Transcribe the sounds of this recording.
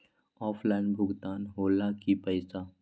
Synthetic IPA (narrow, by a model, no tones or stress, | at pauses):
ɔːflaɪnbʱʊɡt̪aːnɦoːlakipəjsa